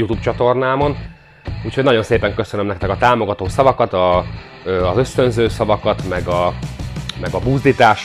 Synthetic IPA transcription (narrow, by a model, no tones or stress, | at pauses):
jut̪uːp̚t͡ʃɒt̪o̞rnaːmɒn | uːchoɟnɒjo̞nseːpɛŋkø̞sønømnɛkt̪ɛkɒt̪aːmo̞ɡɒt̪oːsɒvɒkɒt̪ɒ | ɒzø̞st̪ønzøːsɒvɒkɒt̪mɛɡɒ | mɛɡɒbuːzd̪it̪aːʃ